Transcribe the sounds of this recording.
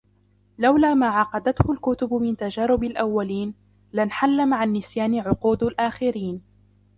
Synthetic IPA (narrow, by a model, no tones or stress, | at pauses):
lawlaːmaːʕɑqɑd̪at̪hʊlkʊt̪ʊbmɪnt̪ad͡ʒaːɾʊbalʔawːaliːn | lanħalːamaʕanːɪsjaːnɪʕʊquːd̪alʔaːxɪɾiːn